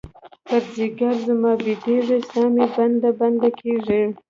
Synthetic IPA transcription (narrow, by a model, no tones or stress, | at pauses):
pəɾziɡaɾzəmɑbid̪eʐisɑmeband̪aband̪akʰeʐi